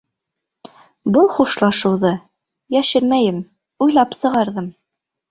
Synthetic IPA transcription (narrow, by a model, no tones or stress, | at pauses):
bɤlˠχuʃlˠɑʃɤ̆wðɤ | jæʃɘɾmæjɘm | ujlˠɑpsɤ̆ʁɑɾðɤm